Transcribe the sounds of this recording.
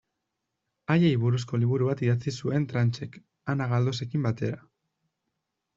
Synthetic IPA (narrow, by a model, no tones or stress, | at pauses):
ajeiβuɾusko̞liβ̞uɾuβat̪iðat͡sisue̞nt̪ɾant͡ʃe̞k | anaɣ̞ald̪o̞s̬e̞kimbat̪e̞ɾa